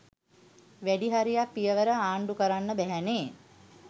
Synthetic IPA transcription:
ʋæɖiɦaɾijapːijəʋəɾəaːɳɖukəɾanːəbæɦæneː

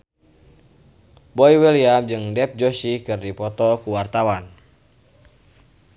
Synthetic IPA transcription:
bɔiwɛliamd͡ʒɨŋdɛp̚d͡ʒɔsikɨrdipɔt̪ɔkuwart̪awan

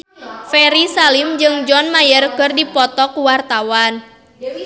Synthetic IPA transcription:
fɛɾisalimd͡ʒɨŋd͡ʒɔnmajərkɨrdipɔt̪ɔkuwart̪awan

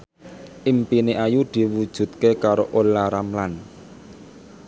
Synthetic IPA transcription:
ʔimpineʔajud̪̥i̤wud̥ʒ̥ṳt̪̚kekaɾoʔolaɾamlan

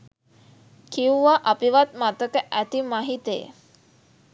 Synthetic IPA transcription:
kiuʋaʔapiʋat̪̚mat̪əkəʔæt̪imaɦit̪əḛ

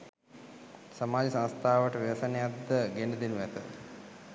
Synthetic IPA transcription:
samaːlisãnst̪ʰaːʋəʈəʋiʋɐsənejad̪ːəɡenəd̪enuʋæt̪ə

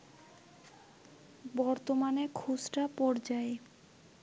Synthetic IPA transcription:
bɔɾt̪omanekʰusʈapɔɾd͡ʑae

